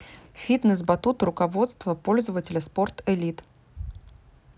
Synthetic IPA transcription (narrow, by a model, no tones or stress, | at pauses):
fʲit̪nəsbɐt̪ut̪ɾʊkɐvo̞t̪st̪vəpolʲzəvətʲɪlʲəsport̪ɛlʲit̪